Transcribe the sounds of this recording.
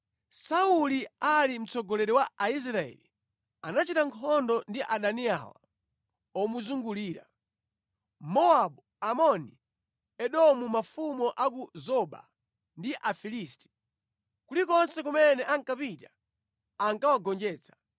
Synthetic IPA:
saulialim̩t͡sɔɡɔlɛɾɛwaais̬ɾaɛ̰li | anat͡ʃitaŋkʰɔndɔndiʔaɗania̰wa̰ | ɔmuzuŋɡuliːɾa̰ | mɔaɓu | amɔni | ɛɗɔmumafumɔʔak̬uzɔɓa̰ | ndiʔafilisti̥ | kulikɔnsɛkumɛnɛʔaŋkapita | aŋkawaɡɔnd͡ʒɛːt͡sʰḁ

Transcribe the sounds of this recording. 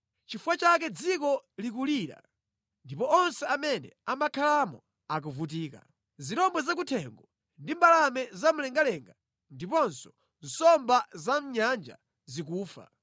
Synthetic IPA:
t͡ʃifuwat͡ʃak̬ɛd͡zikɔlik̬uliɾa̰ | ndipɔɔnsɛamɛnɛ̰amakʰalamɔ̰ | ak̬uvut̬iːka̰ | ziɾɔmbwɛzakutʰɛŋɡɔ | ndimbalamɛzam̩lɛŋɡalɛŋɡa | ndipɔnsɔ̥ | n̩sɔmbazam̩ɲand͡ʒa̰ | zikuːfa̰

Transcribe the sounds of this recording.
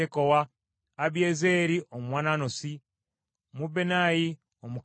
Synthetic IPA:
ekowaː | βjeːzeːɾiʔommwaːnaːnosi | mubenaji | omuk

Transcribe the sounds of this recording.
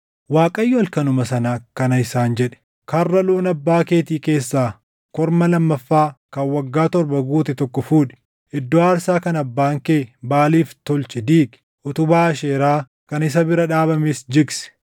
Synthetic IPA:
waːkʼɐjːʊɐlkɐnʊmɐsɐnaːkɐnɐɪsaːnd͡ʒɛᶑɛ̥ | kɐrːɐloːnɐbːaːkeːt̪iːke̞ːsːaː | kɔɾmɐlɐmːɐfːaːkɐnwɐɡːaːt̪ɔɾbɐɡuːt̪ɛt̪ɔkːɔfuːᶑɛ̥ | ʔɪd̪ːoːaːɾsaːkɐnɐbːaːŋkeːbaːliːft̪ɔlt͡ʃɛd̪iːk | ʔɔt̪ʊbaːɐʃeːɾaː | kɐnɪs̬ɐbɪɾɐᶑaːbɐmɪsd͡ʒɪɡsɛ̥

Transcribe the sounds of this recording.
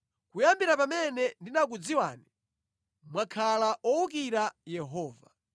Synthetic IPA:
kujambiɾapamɛnɛndinak̬ud͡ziwaːni | mwakʰalaʔɔukiɾajɛɦɔːva̰

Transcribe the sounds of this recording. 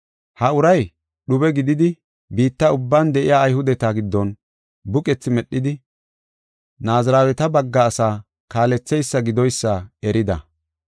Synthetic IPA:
hɐʊɾɐj | ɗʊbɛɡɪd̪ɪd̪ɪ | biːt̪ːɐʊbːaːnd̪ɛʔɪjaːjhʊd̪ɛt̪aɡɪd̪ːɔn | bʊkʼɛt͡sːɪmɛɗːɪd̪ɪ | naːzɐɾaːwɛt̪ɐbɐɡːaːsaː | kaːlɛt͡sːɛjsːɐɡɪd̪ɔjsːɐɛɾɪd̪ɐ̰

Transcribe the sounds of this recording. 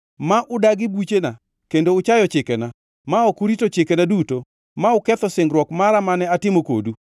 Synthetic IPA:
maʔʊdaɡɪbut͡ʃena | kendoʊt͡ʃajɔt͡ʃɪkɛna | maɔkʊɾitot͡ʃɪkɛnaduto | maʊkɛt̪ɔsɪŋɡɾwɔkmaɾamanɛatɪmoko̰du

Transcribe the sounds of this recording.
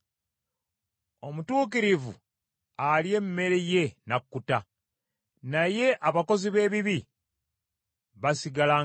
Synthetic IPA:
o̞mutuːk̬iɾivṵ | alje̞mme̞ɾeje̞nakːuta | naje̞ʔaβako̞ziβe̞ːβiβi | βasiɡala

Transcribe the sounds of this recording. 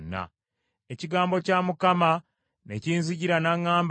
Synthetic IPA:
nːa̰ | eciɡaːmbo̞camukama | neciːnziɟiɾanaŋːaːmb

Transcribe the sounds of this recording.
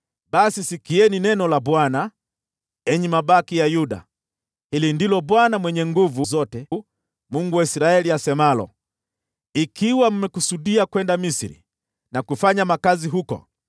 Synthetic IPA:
ɓasisikiɛninɛnɔlabwana | ɛɲimaɓakijajuɗa̰ | hilindilɔbwanamwɛɲɛŋɡuvuzɔtɛ | muŋɡuwaisɾaɛliasɛmalɔ̰ | ikiwam̩mɛkusuɗiakwɛndamisiɾḭ | nakufaɲamakaziɦukɔ̰

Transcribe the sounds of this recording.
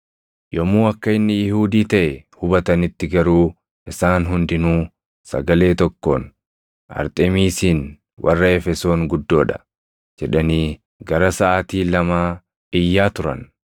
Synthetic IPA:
jɔmːuːɐkːɐɪnːɪjɪhuːd̪iːt̪ɐʔɛhʊbɐt̪ɐnɪt̪ːɪɡɐɾuː | ʔɪsaːnɦʊnd̪ɪnuː | sɐ̰ɡɐle̞ːt̪ɔkːo̰ːn | ɐ̰ɾt̪ʼɛmiːsiːn | wʔɐ̰rːɐɛfɛso̞ːŋɡʊd̪ːo̞ːᶑɐ̥̰ | d͡ʒɛᶑɐniː | ɡɐɾɐsɐʔaːt̪iːlɐmaː | ɪjːaːt̪ʊɾɐ̰n

